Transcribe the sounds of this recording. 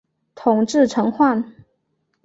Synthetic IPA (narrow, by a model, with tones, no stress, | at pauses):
t̪ʰʊ˨˩ŋʈ͡ʂɻ̩˥˩ʈ͡ʂʰɤ˧˥ŋxwa˥˩n